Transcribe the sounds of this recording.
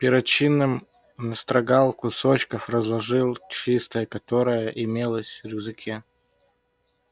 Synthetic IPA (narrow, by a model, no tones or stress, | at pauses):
pʲɪɾɐt͡ɕinːɨm | nəst̪ɾɐɡalˠkʊsot͡ɕkəfrəzlˠɐʐɨlˠt͡ɕist̪əjəkɐt̪o̞ɾəjəʔɪmʲelˠəsʲrʲjɪzɨkʲʰe